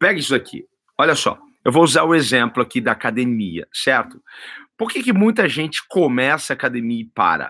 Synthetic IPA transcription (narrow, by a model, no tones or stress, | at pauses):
pɛɡɐisʊd̪akʰḭ | ɔʎɐsɔ̰ | ewvouzaɾʊezẽplʊakid̪ɐakad̪emiɐ̰sɛɾt̪ʊ̥poɾkekɪmũj̃t̪ɐʒẽnt͡ʃɪ̥komɛsɐːkad̪emiɐipa̰ɾɐ̰